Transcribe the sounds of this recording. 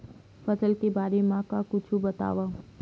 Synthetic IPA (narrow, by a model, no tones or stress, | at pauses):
fəsəlkibaːɾemãkãkʊt͡ʃʰũbət̪a̰ʋa